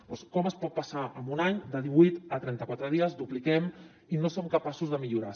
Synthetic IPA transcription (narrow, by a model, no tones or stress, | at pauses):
pɔskɔməspɔt̪̚pəsaəmbunaɲd̪əðiβujt̪ət̪ɾɛnt̪əkwat̪ɾəðiəzd̪uplikɛm | inosomkəpasuzðəmiʎuɾa